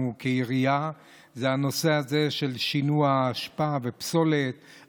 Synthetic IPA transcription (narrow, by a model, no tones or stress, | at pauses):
ukeiʁija | zehano̞se̞aze̞ʃe̞lʃinuaːʃpavepso̞let̪̚